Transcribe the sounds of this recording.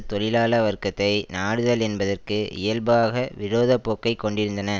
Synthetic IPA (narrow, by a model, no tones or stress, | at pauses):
t̪ɔɻɪlaːlɐʋɐɾkɐt̪ːɐɪnaːɽɯðɐlɛnbɐðɐrkɯʔɪ̰jɐlbaːɣɐʋɪɾoːðɐpːoːkːɐɪkːɔɳɖɪɾɯnd̪ɐnɐ